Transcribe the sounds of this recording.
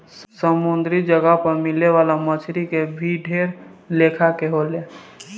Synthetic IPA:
səmʊnd̪ɾid͡ʒəɡaɦpəɾmɪleʋaːlamət͡ʃʰɾikebʱiɖʱeːɾleːkʰakeɦoːleː

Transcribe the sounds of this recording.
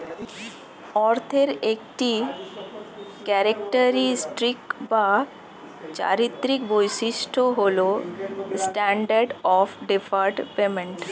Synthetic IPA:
ɔɾt̪ʰeɾekʈi | kɛɾekʈəɾisʈɾikba | t͡ɕa̰ɾit̪ɾikbojsiʃʈʰoɦolosʈɛɳɖəɾɖɔpʰɖepʰaɾʈpemẽɳʈ

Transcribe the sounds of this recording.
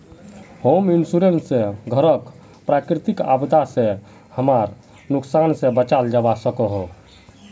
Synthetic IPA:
hominsuɾensẽɡʱəɾək | pɾakɾit̪ika̰bd̪asẽ | həmaɾ | nuksansẽbət͡ʃald͡ʒabasəkəɦo

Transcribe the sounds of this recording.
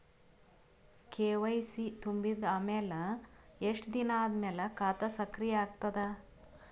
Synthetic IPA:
kʰeːʋɐjsit̪umbid̪aːmɛːlɐeʂʈd̪inaːd̪mɛːlɐkaːt̪ɐsɐkɾijaːɡt̪ɐd̪ɐ

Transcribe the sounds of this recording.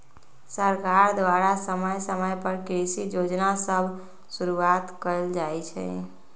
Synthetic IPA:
səɾkaɾd̪ʋaɾasəməjsəməjpəɾkɾisid͡ʒod͡ʒnasəbʱ | suɾuat̪kəld͡ʒajt͡ʃʰɛ̰

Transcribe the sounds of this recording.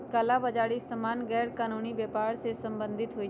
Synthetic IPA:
kaːlabəd͡ʒaːɽisəmaːnɡɛːɾkaːnuːnibjəːpaːɾsesə̃mbə̃nd̪ʱɪt̪ɦoːi

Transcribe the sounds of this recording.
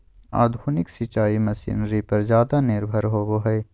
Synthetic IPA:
a̰ːd̪ʱoːnɪksit͡ʃaːimɐsḭːnɾipɐɾzjaːd̪anɪɾbʱəɾɦoːboːɦɛe

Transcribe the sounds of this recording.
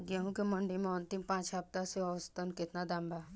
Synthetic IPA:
ɡɛɦũkeməɳɖimẽɔ̃nt̪ɪmpãːt͡ʃap̚t̪aseɔʋst̪ənkɪt̪nad̪ãmbʱa

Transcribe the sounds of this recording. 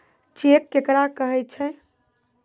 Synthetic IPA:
t͡ʃekːekɾakəɦɛt̚t͡ʃʰɛ

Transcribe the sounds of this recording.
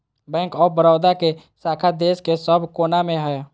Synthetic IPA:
bɛ̃ːkɔːɾbəɾɔːd̪ake | saːkʰad̪eːskesəbʱkoːnamẽɦɛ

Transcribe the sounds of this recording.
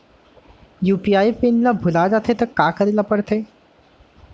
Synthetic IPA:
juːpijaːipɪnlabʱʊlad͡ʒat̪ʰet̪ɐkaːkəɾilapəɽt̪ʰeː

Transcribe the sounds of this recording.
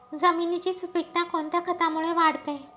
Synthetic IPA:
d͡zəminit͡ɕiːsupik̚ʈ̪ãkont̪jakʰət̪amuɭeʋaɽt̪e

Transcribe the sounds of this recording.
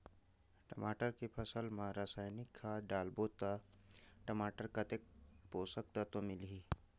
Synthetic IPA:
ʈəmaːʈəɾkepʰəsəlmãɾasaːjnɪkʰːaɖaːlboːt̪aʈəmaːʈəɾkat̪ek̚poːsək̚t̪at̪omɪlɦiː

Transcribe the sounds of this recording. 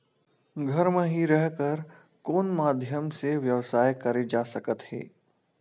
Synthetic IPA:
ɡʱɐɾmẽɦiɾɛɦkəɾ | koːnmaːd̪ʱjəmseʋjɐʋsaːjkɐɾed͡ʒaːsɐkət̪hɛ̰ː

